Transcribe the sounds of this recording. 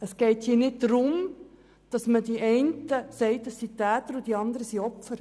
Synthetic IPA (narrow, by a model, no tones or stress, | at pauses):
əsɡ̥ɛɪthiːnɪtdɾʊm | d̥ɑsmədiʔɛɪntəsɛɪtəsːitæːtəɾud̥iɑnd̪əɾəsiɔpfəɾ